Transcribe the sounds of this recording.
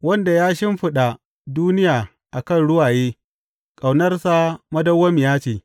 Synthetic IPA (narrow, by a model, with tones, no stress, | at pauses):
wɐ˦nda˨jaː˦ʃɪ˦mɸɪ˦ɗa˨ | duː˦nɪ˦jaː˨ | ʔa˨kɐ˦˨nɽʊ˦waː˨jeː˦ | kʼa˨wnɐ˦rsa˦mɐ˦dɐ˦wːɐ˦mjaː˦t͡ʃeː˨